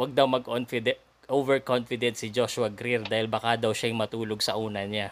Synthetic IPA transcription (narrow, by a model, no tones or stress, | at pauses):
wɐɡ̚d̪ɐwmɐɡʔonfɪd̪ɛ | ʔovɛɹkonfɪd̪ɛnt̪sɪd͡ʒoʃʊwɐɡɾiɾd̪aːhɪlbakad̪ɐwʃajŋmɐt̪uːloɡ̚sɐʔuːnɐɲa